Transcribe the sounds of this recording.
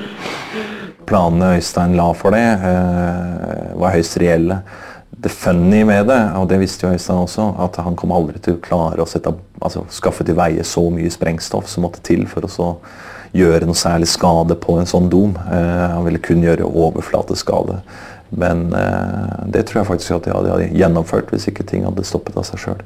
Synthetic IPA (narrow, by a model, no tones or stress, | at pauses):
pʰlɑːnnəœʏst̪æɪnlɑːfɔɖɛ | ʋɑɾɦœʏst̪ɾɛɛlːə | d̪ɛfœnːɪmɛd̪ɛɔd̪ɛʋɪst̪əjʊœʏst̪æɪnɔsɔɑ̰t̪hɑnkʰɔmːɑld̪ɾɪt̪ʰɪlɔkʰlɑːɾəɔsɛt̪ːəʔɑ̰lsɔ̰skɑfːət̪ɪlʋæɪə̰sɔmy̰ːəspɾʔɛŋst̪ɔ̰fsɔmːɔt̪ʰːə̥t̪ʰɪlːfɔɾɔsɔ | jøːɾənuːsæːɭɪskɑːd̪əpʰɔɛɪnsɔnːd̪umhɑnʋɪlːəkʰʉnːəjøːɾə̰ʔoːʋə̰flɑ̰ːt̪əskɑ̰ːd̪ə̰ | mɛ̰n | d̪ɛt̪ʰɾuːɾjæɪfɑk̚t̪ɪskɑt̪̚d̪ɛhɑ̰d̪ːəhɑ̰d̪əjɛnːɔmføːʈʋɪ̰sɪkːət̪ʰɪ̰ŋːhɑ̰d̪ːəst̪ɔpːət̪ʰɑ̰sæɪʂø̰ːl